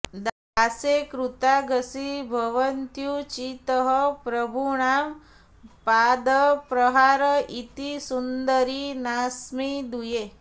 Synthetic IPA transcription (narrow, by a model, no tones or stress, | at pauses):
d̪a | sekɾut̪aɡəsibʱəʋənt̪jut͡ʃit̪əɦəpɾəbʱuɳam | pad̪əpɾəɦaɾəʔit̪isund̪əɾinasmid̪uje